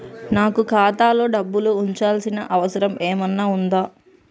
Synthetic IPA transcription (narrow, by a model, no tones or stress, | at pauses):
naːkukaːt̪aːlo̞ːɖɐbːuluːɲt͡ʃaːlsinɐ̰ʔɐʋɐsɐɾɐmeːmɐnːaːund̪aː